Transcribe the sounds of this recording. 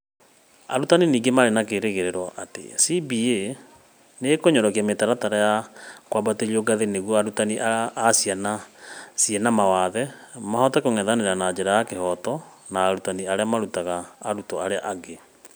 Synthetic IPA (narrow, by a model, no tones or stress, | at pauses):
a̰ɾutaniniːɡemaɾenakeɾeɣeɾeɾwɔʔatḛsibie | nekoɲɔɾɔkiametaɾataɾajakwabateɾioɡaðeneɣwɔaɾutaniʔaːsianasjɛnamawaðɛmahɔtakoŋɛðaneɾanad͡ʑeɾajakehɔtɔ | naːɾutaniaɾeamaɾutaɣaːɾutɔaɾeaʔaɡe